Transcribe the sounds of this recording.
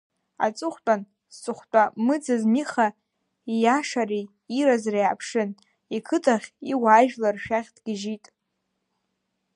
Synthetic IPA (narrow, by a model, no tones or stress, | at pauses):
a̰t͡sʼɨχʷtʷʼan | st͡sʼʊχʷt͡pʷʼamɨd͡zazmiχa | ijaʂari | iɾazriapʰʂɨn | ikʰɨtʰʼaχʲiwaːʒᶣlarʃᶣaχʲd̥ɡ̥ʲɪʒitʼ